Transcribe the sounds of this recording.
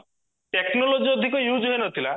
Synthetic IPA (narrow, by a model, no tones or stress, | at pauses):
ʈeknɔlod͡ʒiɔd̪ʱikɔjud͡ʒɦoenɔt̪ʰila